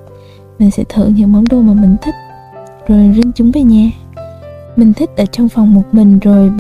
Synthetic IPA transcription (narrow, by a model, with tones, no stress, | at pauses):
mï˨˩ŋ̟sɛ̰˧˥t̪ʰɨ̰˧˨ŋɲɨ̰˧˥ŋmə˨˦wŋ͡mɗo˧maː˨˩mï˨˩ŋ̟t̪ʰi˦˥k̟̚ | zo˨˩jzï˧ŋt͡ɕʊ˨˦ŋ͡mve˨˩ɲaː˧ | mï˨˩ŋ̟t̪ʰï˦˥k̟̚ʔəː˧˩t͡ɕɔ˧wŋ͡mfa˨˩wŋ͡mmo˨˩t̚mï˨˩ŋ̟zo˨˩jɓ